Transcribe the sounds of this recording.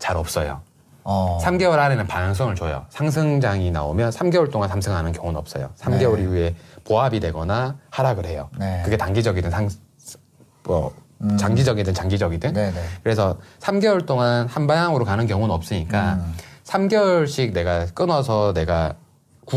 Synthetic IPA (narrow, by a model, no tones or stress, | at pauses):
t͡ɕaɾʌp̚s͈ʌjo̰ | sʰamɡe̞wʌɭhanenɯnpajɯŋs̬͈ʰʌŋɯɭt͡ɕojo̰sʰaŋs̬ʰɯŋd͡ʑaŋina̰omjʌnsʰamɡe̞wʌɭt͈oŋansʰamsʰɯŋɦanɯnkjʌŋunʌp̚s͈ʌjo̰sʰamɡe̞wʌɾiue̞poɦabidwe̞ɡʌnahaɾaɡɯɦe̞jonekɯɡe̞taŋɡid͡ʑʌɡidɯnsʰaŋ | ʌ̰ | t͡ɕaŋɡid͡ʑʌɡidɯnt͡ɕaŋɡid͡ʑʌɡidɯŋdkɯɾe̞sʰʌsʰamɡe̞wʌɭt͈oŋanhanbajaŋɯɾokanɯnkjʌŋunʌp̚s͈ɯɲik͈asʰamɡewɔɭɕ͈ʰik̚ne̞ɡak͈ɯnʌsʰʌne̞ɡa | ku